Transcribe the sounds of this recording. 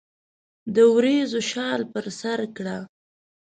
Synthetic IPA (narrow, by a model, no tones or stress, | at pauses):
d̪əwɾezoʃɑlpəɾsaɾkɽa